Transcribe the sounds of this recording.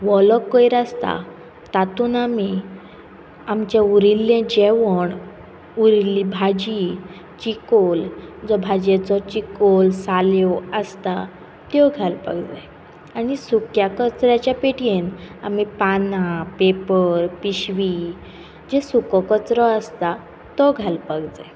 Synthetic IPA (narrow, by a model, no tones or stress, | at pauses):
ʋɔlɔkːɔjɾast̪a̰ | t̪at̪uːnami | amt͡ɕeuɾilːɛ̃d͡ʑeʋəɳ | uɾilːibʱad͡ʑi | t͡ɕikold͡zɔbʱad͡ʑet͡sɔt͡ɕikolsaljɔəst̪a | t̪jɔɡʱalpə̰ɡd͡ze | aɽ̃isukjakət͡sɾjat͡ɕjapeʈjena̰mipanapepəɾpiɕʋi | d͡ʑesukɔkət͡sɾɔəst̪a | t̪ɔɡʱalpəɡd͡zḛ